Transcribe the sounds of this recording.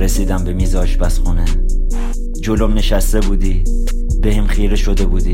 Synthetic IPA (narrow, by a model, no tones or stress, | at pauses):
ɾesiːd̪æmbemiːzɒːʃbæsχune | d͡ʒolomneʃæst̪ebuːd̪i | b̥ehimχiːɾeʃod̪ebuːd̪iː